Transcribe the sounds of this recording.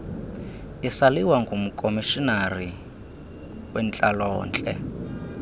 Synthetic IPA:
isaliwaŋɡumukʼomiʃinari | wɛnt͡ɬʼalɔ̰ːnt͡ɬʼɛ̰

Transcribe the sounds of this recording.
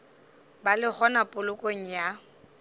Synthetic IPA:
balɪk͡xʰɔnapʼʊlʊkʼoŋ̩ja

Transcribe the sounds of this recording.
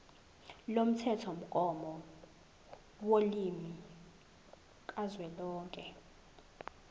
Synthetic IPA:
lom̩tʰɛtʰom̩ɡ̥ʱʼɔmɔ | wolimi | k̬ʼazwɛlɔːŋkʼɛ

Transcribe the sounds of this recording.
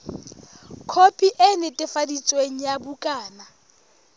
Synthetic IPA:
kʰopʰʼiʔɛnɪtʼɪfadit͡sʼweŋ̩jabukʼaːna

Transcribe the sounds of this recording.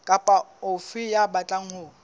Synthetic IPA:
kʼapʼaʊfɪjabat͡ɬʼaŋ̩hʊː

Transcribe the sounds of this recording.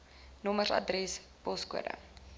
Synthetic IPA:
nɔmərɐ̰drɛs | pɔskṵədə̰

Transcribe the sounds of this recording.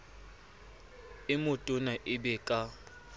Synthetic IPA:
ɪmʊtʼʊnaʔɪbɛkʼa

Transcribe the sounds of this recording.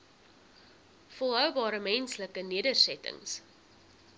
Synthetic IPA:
fəlˠɦœwbɑːɾəmɛnsləkəniədərsɛtə̰ŋs

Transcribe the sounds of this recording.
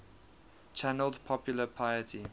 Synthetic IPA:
t͡ʃʰænəldpʰɔpjuləpʰaɪətʰi

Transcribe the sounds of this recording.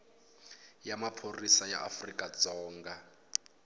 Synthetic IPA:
jamapʰorisaja̰ʔa̰frikʼad͡zɔːŋɡa

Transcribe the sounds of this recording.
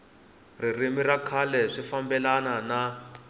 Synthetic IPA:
ririmirakʰalɛʂifambɛlanana

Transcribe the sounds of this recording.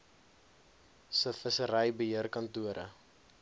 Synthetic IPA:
səfəsəɾəjbəɦiərkɐntuəɾʔə̰

